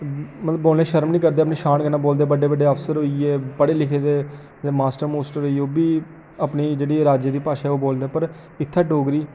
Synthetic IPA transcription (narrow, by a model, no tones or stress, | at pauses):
mət̪ləbːoːlneːʃəɾmnĩːkəɾd̪eːəpneːʃaːnɡənãːboːld̪eːbəɖeːbəɖeːəfsəɾɦoːieːpəɽeːlɪkʰeːd̪eː | d̪emaːsʈəɾmoːsʈəɾɦoːiːoːbiː | apniːd͡ʒeːɽiːɾaːd͡ʒeːd̪iːpaːʃaːɛoːboːld̪eːpəɾ | ɪt̪ʰːaːʈoːɡɾiː